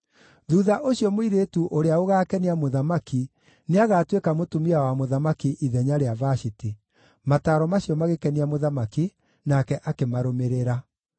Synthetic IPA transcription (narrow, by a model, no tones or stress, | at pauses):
ðuːðaʔoɕiɔmoiɾeːtuʔoɾeaoɣaːkɛniamoðamaki | neaɣatwekamotomiawamoðamakiʔiðɛɲaɾeavaʃiti | mataɾɔmaɕiɔmaɣekɛniamoðamaki | nakɛʔakemaɾomeɾeɾa